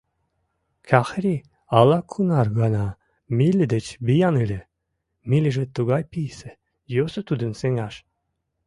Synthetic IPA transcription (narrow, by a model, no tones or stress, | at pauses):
kʰʲɑxɾʲi | ɑlˠɑkʰunɑrɣɑnɑ | mʲilʲɘd̪et͡ɕbijɑnɨlʲe | milʲiʒet̪ːuɣɑjpijsɘ̆ | josŏt̪ud̪ə̆nseŋɑʃ